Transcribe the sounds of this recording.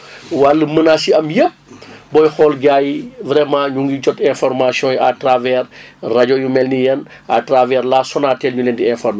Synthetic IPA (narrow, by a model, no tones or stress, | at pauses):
walːəmənasiɐmjə | bɔjxɔlɡajvɾɛmãːɲuŋɡit͡ʃɔtɛ̃fɔrmasiɔ̃ːjatravɛrraɟojumɛlnijɐn | atravɛɾlaːsɔnaːtɛːlɲuleːntiɛ̃ːfɔrme